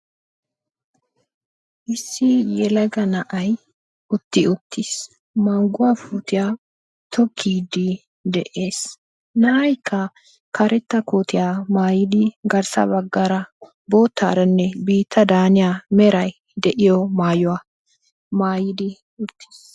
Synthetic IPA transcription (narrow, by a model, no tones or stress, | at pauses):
ʔɪsːɪjɛlɐɡɐnɐʔɐj | ʔʊt̪ːɪʊt̪ʰːiːs | mɐŋɡʊwafuːt̪ɪjaː | t̪ʰɔkʰːiːd̪ɪ | d̪ɛʔe̞ːs | nɐʔɐjkʰːɐ | kʰɐɾɛt̪ːɐkoːt̪ɪjaːmaːjɪd̪ɪɡɐɾsɐ̰bɐɡːaɾɐ | boːt̪ːa̰ːɾɐnːɛbiːt̪ʰːɐd̪aːnɪjaːmɛɾɐj | d̪ɛʔɪjɔmaːjʊwaː | maːjɪd̪ɪ | ʊt̪ːi̥s